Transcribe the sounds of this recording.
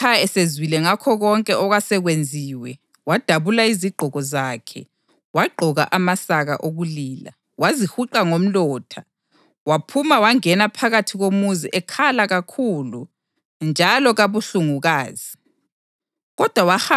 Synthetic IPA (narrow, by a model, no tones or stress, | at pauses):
aɛsezwilɛŋakʰɔɣɔŋkʼɛɔɣasɛɣwend͡zʱiːwɛ | wad̥ʱaβulaiziɡ͡ǃʱɔɣɔzaːkʰɛ̰ | waɡ͡ǃʱɔɣaʔamasaɣa̰ʔoɣuliːla̰ | wazihuǃaŋom̩lɔːtʰa | wapʰumawaŋɛnapʰaɣatʰiɣomuziʔɛkʰalaɣakʰulu | nd͡ʒʱalɔɣaβuɬuŋuɣaːzi | ɣɔd̥ʱwawaha